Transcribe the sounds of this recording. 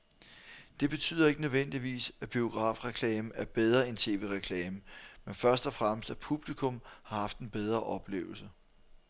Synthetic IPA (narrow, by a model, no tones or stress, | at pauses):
d̥e̝b̥e̝t͡sʰy̰ːð̰ˠɐe̝ɡ̥ənøðˠʋen̰d̥iʋḭːsæb̥io̝ɡ̥ʁɑ̰̈ːfʁɛkʰlɛːməæɐb̥eð̞ˠʁɐent͡sʰe̝̰ːʋe̝̰ːʁɛkʰlɛːməmenfɶɐsd̥ɒ̽fʁaməsd̥æpʰub̥likʰɔ̽mhɑ̈hɑ̈fd̥e̝nb̥eð̞ˠʁɐʔɒ̽b̥lḛːʊl̩sə